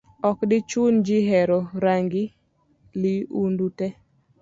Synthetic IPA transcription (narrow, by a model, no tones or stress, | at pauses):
ɔkdɪt͡ʃund͡ʒɪɦɛɾɔɾaŋɡɪ | liundutɛ